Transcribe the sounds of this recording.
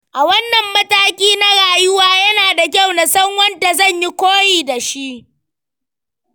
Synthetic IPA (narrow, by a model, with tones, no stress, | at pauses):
ʔa˨wɐ˦nːɐ˨mːɐ˦taː˦kʲiː˦na˦ɽaː˨jʊ˦waː˦jɐ˦naː˨da˨k̬ʲa˦˨wna˨sɐ˦ŋwɐ˦nda˨zɐ˦˨ɲji˦kʷoː˦jiː˨da˨ʃi˦ʔ